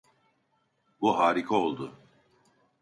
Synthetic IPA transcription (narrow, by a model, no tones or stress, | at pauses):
buɦaːɾikʰao̞lˠd̪ʊ